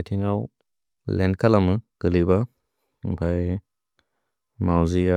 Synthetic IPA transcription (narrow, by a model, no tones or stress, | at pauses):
jtʰiŋaw | lɛnkʰalamɯkəliba | pʰaj | mawzia